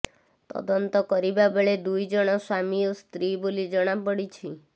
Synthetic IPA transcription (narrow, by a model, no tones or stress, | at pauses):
t̪ɔ̰d̪ɔnt̪ɔkɔɾibabeɭed̪ujd͡ʒɔɽ̃ɔswamiost̪ɾibolid͡ʒɔɽ̃apɔɽit͡ʃʰi